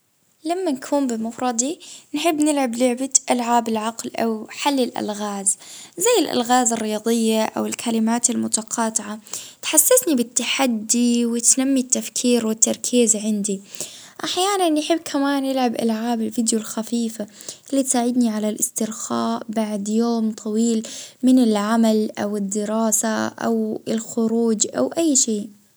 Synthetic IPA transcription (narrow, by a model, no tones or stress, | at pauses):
lamːankʰuːmbɪmafɾˤɑd̪ˤinħɪbːnɪlʕablʊʕbaʔalʕaːbɪlʕɑqlʔawħalːɪlʔa̰lɣaːzzajːɪlʔa̰lɣaːzɑrˤːɪjɑːd̪ˤɨjːaʔa̰wɪlkʰalɪmaːt̪almʊt̪aqʰɑːt̪ˤɪʕat̪ħasːasnibɪt̪ːaħad̪ːiwɪt̪namːit̪ːafkʰiːɾwɪt̪ːɑɾˤkʰiːzʕɪnd̪i | ʔaħjaːnanjħɪbːkʰamaːnjɪlʕabʔa̰lʕaːbɪlfɪd̪jʊlxafiːfaʔɪlːit̪saːʕɪd̪niʕalalʔɪst̪ɪɾxaːʔbaʕd̪joːmt̪ˤʰɑwiːlmɪnɪlʕamalʔawɪd̪ːɪɾɑːsaʔa̰wɪlxʊɾuːd͡ʒʔa̰wʔajːʃeː